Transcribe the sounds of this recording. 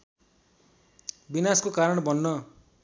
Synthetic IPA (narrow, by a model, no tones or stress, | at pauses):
binaskokaɾʌɳbʌnːʌ